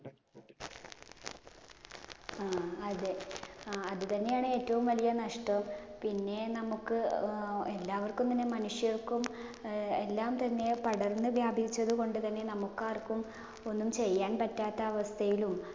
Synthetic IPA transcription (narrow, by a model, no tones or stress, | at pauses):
aːɐðe | ɐðɨt̪ɐnːe̞jaːɳɨe̞ːtːɐʋumʋɐlijɐnɐʂʈɐmpinːe̞nɐmukːɨelːaːʋɐrkːumt̪ɐnːe̞mɐnuʂjɐrkum | elːaːmt̪ɐnːe̞pɐɽɐrnːɨʋjaːbʱiit͡ɕːɐðuko̞ɳɖɨt̪ɐnːe̞nɐmukːaːrkum | o̞nːumt͡ɕe̞jːaːnpɐtːaːt̪ːɐːʋɐst̪ʰɐjilum